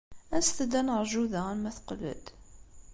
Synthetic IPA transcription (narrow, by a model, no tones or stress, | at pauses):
æsθəd̪ænəɾˤʒuðææmæθqlə̰d̪̥